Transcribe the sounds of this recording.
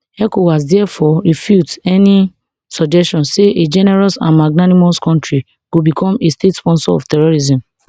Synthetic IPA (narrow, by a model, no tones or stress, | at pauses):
ɛkowas̬dɛɛfɔɾifjutɛni | sɔd͡ʒɛstɔ̃nseʔed͡ʒɛnɛɹɔsã̰nmaɡnanimoskɔ̃ntɹi | ɡ̥obikʰɔ̃mestetspɔ̃nsɔɔ̰ftɛɹoɾizĩm